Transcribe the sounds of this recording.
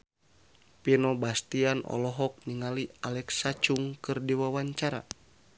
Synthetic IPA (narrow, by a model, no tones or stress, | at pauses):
pinɔbast̪ianʔɔ̰lɔɦɔk̚niŋalialɛksat͡ʃuŋkɨrdiwawaɲt͡ʃaɾa̰